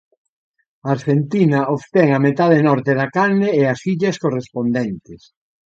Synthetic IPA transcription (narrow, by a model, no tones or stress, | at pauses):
aɾʃent̪inɐʔoβt̪ɛŋɐmet̪að̞enɔɾt̪eðɐkaɾnɪːasiʎɐskorespond̪ɛnt̪ɪs